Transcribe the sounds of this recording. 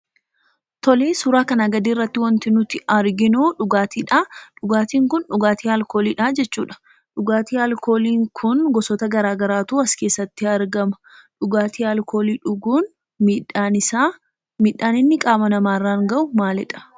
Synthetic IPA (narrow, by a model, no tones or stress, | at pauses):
t̪ɔleːsuːɾaːkɐnaɡɐd̪iːrːɐt̪ːɪwɐnt̪ɪnʊt̪ɪɐɾɡɪnuːᶑʊɡaːt̪iːᶑaːᶑʊɡaːt̪iːŋkʊnᶑʊɡaːt̪iːhalko̞ːliːᶑaːd͡ʒɛt͡ʃːṵːᶑɐ̥ | ᶑʊɡaːt̪iːɐlko̞ːliːŋkʰʊnɡɔsɔt̪ɐɡɐɾaːɡɐɾaːt̪uːɐske̞ːsːɐt̪ːɪɐɾɡɐmɐ̥ᶑʊɡaːt̪iːalkʰoːliːᶑʊɡuːn | miᶑnɪsaː | miᶑːaːnɪnːɪkʼaːmɐnɐmaːrːaːŋɡɐʔʊmaːlɛᶑɐ̥